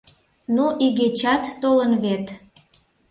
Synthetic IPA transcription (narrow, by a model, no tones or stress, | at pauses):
nuʔiɣet͡ɕɑt̪ːolənβet̪